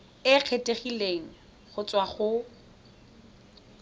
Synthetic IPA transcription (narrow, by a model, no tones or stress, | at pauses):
ɪq͡χʰetʼeχileŋ̩ | χʊt͡sʼwaχʊ